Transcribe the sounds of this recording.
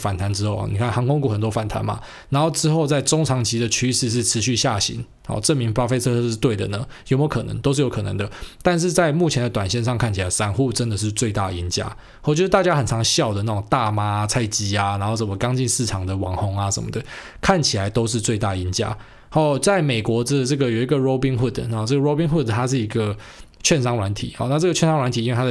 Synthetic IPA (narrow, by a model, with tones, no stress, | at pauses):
fa˨˩nt̪ʰa˧˦nʈ͡ʂɻ̩˥xo˥˩ʊxɔ̰˨˩ni˨kʰa˥˩nxɑ˧˥ŋkʊ˥ŋku˨˥xə˨˩nt̪wɔ˥fa˨˩nt̪ʰa̰˧˦nma̰˨ | na˧˥nxo˥˩ʈ͡ʂɻ̩˥xo˥˧ʊt͡sa˥˩ɪʈ͡ʂo˥ŋt͡sʰɑ˧˥ŋt͡ɕʰi˧˥d̪ə˨t͡ɕʰy˥ʂɻ̩˥˧ʂ̬ɻ̩˥˩ʈ͡ʂʰɻ̩˧˥ɕy˥˧ɕja˥˩ɕḭ˨˥n | hɔ̰˨˩ʈ͡ʂɤ˥˨mi˨˥ŋpa˥˩fe˥ɪt͡sʰɤ˥˧˥ʂɻ̩˥˧t̪we˥˩ɪd̪ə̰˩nə˩jo˧˥m˧˥kʰɤ˨˩nə̰˧˦ŋt̪o˥ʊʂ̬̩˥˩jo˧˥ʊkʰɤ˨nə̰˧˦ŋd̪ə˧t̪a˥˧nʂ̬ɻ̩˥˧t͡sa˥˧ɪmu˥˩t͡ɕʰjɛ˧˥nd̪ə˧t̪wa˨˩nɕjɛ˥˧nʂ̬ɑ˥˧ŋkʰa˥˩nt͡ɕʰi˨la˨˧˦ɪsa˧˥nxu˥˩ʈ͡ʂə˦nd̪ə˨ʂ̬ɻ̩˥˧t͡swe˥˧ɪt̪a̰˥˩˨i˧˦˥nt͡ɕja̰˥ | ɔ˨˩t͡ɕo˥˧ʂɻ̩˥t̪a˥˧t͡ɕja˥xə˨˩nt͡sʰɑ˧˥ŋɕjɑ˥˩ʊd̪ə˩na˥˩o˨˩ŋt̪a˥˨ma˥˧t͡sʰa˥˩ɪt͡ɕi˧˥a˨na˧˥nxo˥˧˩ʂə˨˩nmə˦kɑ˦ŋt͡ɕi˥˧nsɻ̩˥˩ʈ͡ʂʰɑ˨˩ŋd̪ə˩wɑ̰˨˩˦ŋxɔ˧˥ŋa˧ʂə̰˨˩nmə̰˨˩d̪ə˦ | kʰa˥˩nt͡ɕʰi˨la˨˦ɪt̪o˥ʊʂ̬ɻ̩˥˧t͡swe˥˧ɪt̪a˥˩i˧˦nt͡ɕja̰˥ | hɔ˥˩t͡sa˥˩ɪme˨˩ɪkwɔ˧˥t͡sə˧ʈ͡ʂɤ˥˩ɡə˩jo˨˩i˨˧˥ɡə˨˩ɹo˥ʊpi˧˥ŋxu˥˩d̪na˨˥˧ʈ͡ʂɤ˥˩ɡə˨ɻo˦ʊpi˥ŋxu˥˩d̪t̪ʰa˥ʂ̬ɻ̩˥˩i˧˥ɡə˨ | t͡ɕʰɥɛ˥˨nʂɑ˥ŋɻwa˧˦nt̪ʰḭ˨˦ɔ̰˨˦na˥˧ʈ͡ʂɤ˥˩ɡə˩t͡ɕʰɥɛ˥˨nsɑ˥ŋwa˧˦nt̪ʰi˨i˥nwe˥˩t̪ʰa˥ə˩